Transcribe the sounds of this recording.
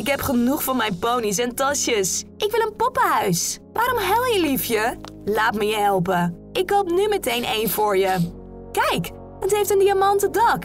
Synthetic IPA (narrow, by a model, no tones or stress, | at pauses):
ɪkɦɛpχənuχfʊːɹmɛjnpownis̬ɛntɑʃjəsʔɪkʋɪlənpɔpəɦœɥsʋaːɾɔmɦɛlˠjəlifjəlaːtməjəɦɛlˠp̬ə | ʔɪkːowpnymɛtejnʔejnvʊːɹjə | kɛjk | ətɦejftəndiamɑntədɑk